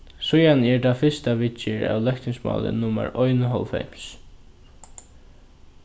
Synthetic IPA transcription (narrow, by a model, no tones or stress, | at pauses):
sʊjanɛɹd̪afɪst̪aʋɪt͡ʃːɪɹa̰wlœkt̪ɪŋsmɑ̰ːlɪ̰nːʊma̰ɹɔjnɦɔ̰lfɛ̰ms